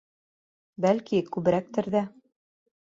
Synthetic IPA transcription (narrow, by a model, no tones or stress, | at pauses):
bælkikʉβɘ̆ɾæk̚t̪ɘ̆ɾðæ